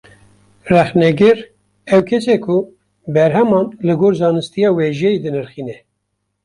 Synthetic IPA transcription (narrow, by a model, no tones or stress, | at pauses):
rɛxnɛɡɨɾ | ɛwkʰɛsɛkʰʊ | bɛɾɦɛmɑːnlɨɡoːɾzɑːnɨst̪ijɑːwɛʒɛjed̪ɨnɨɾxiːnɛ